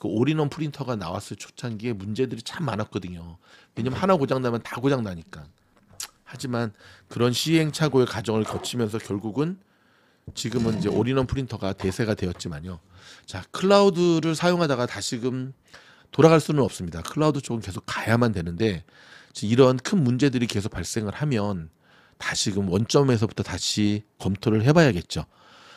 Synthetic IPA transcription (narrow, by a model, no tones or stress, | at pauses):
kɯoɾinʌnpʰuɾintʰʌɡanawas͈ɯɭt͡ɕʰo̥t͡ɕʰaŋɡie̞mund͡ʑe̞dɯɾit͡ɕʰamːanat̚k͈ʌdɯɲoweɲamnhanaɡod͡ʑaŋnamjʌntaɡod͡ʑaŋnaɲik͈a | had͡ʑimankɯɾʌnɕʰiɦe̞ŋt͡ɕʰaɡoe̞kad͡ʑʌŋɯɭkʌt͡ɕʰimjʌns̬ʰʌkjʌɭɡuɡɯn | t͡ɕiɡɯmɯnid͡ʑe̞ʔoɾinʌnpʰuɾintʰʌɡate̞sʰe̞ɡadwe̞jʌt̚t͡ɕ͈imaɲo | t͡ɕakʰɯɭːaudɯɾɯɭsʰajoŋɦadaɡataɕʰiɡɯm | toɾaɣaɭs͈unɯnʌp̚s͈ɯmɲidakʰɯɭːaudɯt͡ɕ͈oɡɯmke̞sʰok̚k͈ajamandwe̞nɯnde̞ | t͡ɕeiɾʌnkʰɯnmund͡ʑe̞dɯɾike̞sʰok̚p͈aɭs͈e̞ŋɯɭhamjʌn | taɕʰiɡɯmwʌnt͡ɕ͈ʌme̞s̬ʰʌbutʰʌtaɕʰikʌmtʰoɾɯɭɦe̞bajaɡe̞t̚t͡ɕ͈o